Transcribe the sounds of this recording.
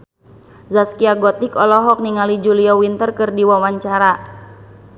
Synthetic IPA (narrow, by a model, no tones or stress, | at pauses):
zaskiaɡɔt̪ikɔlɔɦɔk̚niŋalid͡ʒuliawint̪ərkɨrdiwawaɲt͡ʃaɾa